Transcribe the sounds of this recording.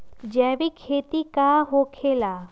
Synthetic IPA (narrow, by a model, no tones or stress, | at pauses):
d͡ʒɛːbikʰeːt̪ikaɦokʰela